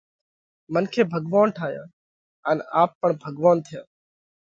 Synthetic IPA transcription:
mənkʰeːbʱəɡʋaːnʈʰaːɦjã̰ː | ənaːpːəɳbʱəɡʋaːnt̪ʰɪjãː

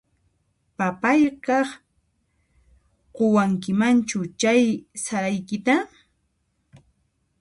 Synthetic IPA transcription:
papajkɑχ | qowaŋkɪmant͡ʃʊt͡ʃajsaɾajkɪt̪a

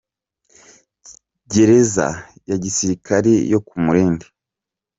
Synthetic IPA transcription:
ɟe̞ɾe̞za̰ | jaɟisiɾikʰaɾḛjo̞kumuɾe̞ːmbe

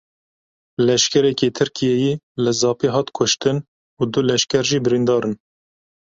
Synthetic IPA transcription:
lɛʃkʰɛɾɛkeːt̪ʰɨɾkʰijɛjiː | lɨzɑːpiɦɑːt̪kʰʊʃt̪ɨn | ud̪ulɛʃkʲɛɾʒiːbɪɾind̪ɑːɾɨn

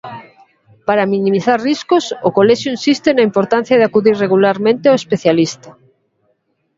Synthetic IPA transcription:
paɾamĩnĩmiθaɾriskosokoleʃjoĩnsist̪enaimpoɾt̪ãn̟θjaðeakuðirreɣulaɾmẽnt̪eawespeθjalist̪a

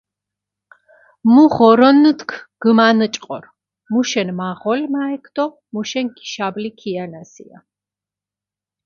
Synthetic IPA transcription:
muʁɔɾɔnːt̪kʰɡ̥manət͡ʃʼqʼɔ̰ɾ | muʃɛnmaʁɔlmaɛkʰd̪ɔ | muʃɛŋki̥ʃablikʰianasḭa̰

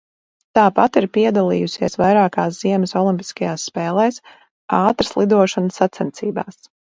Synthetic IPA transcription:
t̪aːpat̪iɾpiɛd̪alˠḭːjusiɛsvajɾaːkaːsz̥iɛməsɔlˠimpi̥skajaːsːpɛːlˠɛːs | aːt̪ɾə̥slˠid̪uɔʃansːat̪sɛnt̪siːba̰ːs

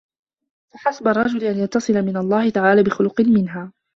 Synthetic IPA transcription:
faħasabɑrˤːɑd͡ʒʊlɪʔanjɑt̪ːɑsˤɨlamɪnalˤːɑːhɪt̪aʕaːlaːbɪxʊlʊqɪnmɪnɦaː

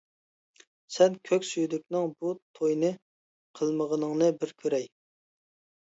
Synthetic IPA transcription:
sɛnkʲʰøkʲsyjd̪ykʲnɨŋbut̪ʰojnɨ | qʰəlˠməʁənəŋnɨbɪɾkʲʰøɾɛj

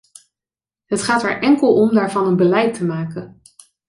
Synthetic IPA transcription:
ɦətχaːtɛ̰ɹʔɛŋkəlˠɔmdaːɹvɑnənbəlɛjtəmaːkə

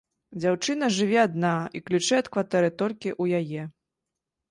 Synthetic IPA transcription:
d͡zʲawt͡ʂɨn̪ɐʐɨvʲɛad̪naiklʲut͡ʂɛɐt̪kvat̪ɛɾɨt̪ɔlʲkʲiʔujajɛ

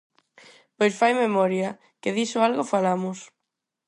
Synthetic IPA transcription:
pojsfajmemɔɾja | kɪðisʊalɣofalamʊs

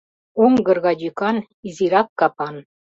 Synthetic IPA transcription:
oŋɡɤ̆rɣɑd̪ʲykɑn | iziɾɑkːɑpɑn

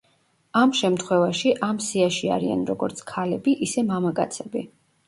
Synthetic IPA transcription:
amʃɛmt̪ʰχwɛvaʃiʔamsiaʃia̰ɾḭa̰nɾɔɡɔɾt̪sʰkʰalɛbiʔisɛmamakʼa̰t̪sʰɛbi

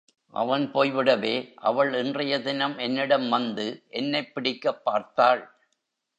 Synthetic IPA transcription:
ʔɐ̰ʋɐnpoːjʋɪɽɐʋeːʔɐ̰ʋɐɭɪndrɐjɐðɪnɐmɛnːɪɽɐmʋɐnd̪ɯʔɛnːɐɪpːɪɽɪkːɐpːaːɾt̪aːɭ

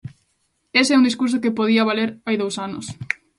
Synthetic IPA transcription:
eseɛund̪iskuɾs̬okepoðiɐβaleɾajðowsanʊ̰s

